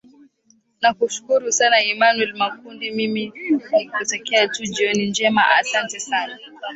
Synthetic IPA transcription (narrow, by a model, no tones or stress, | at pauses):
nakuʃu̥kuɾusanaimanwɛlmakundimiminikɔtɔkɛatud͡ʒiɔnind͡ʒɛmaʔasantɛsana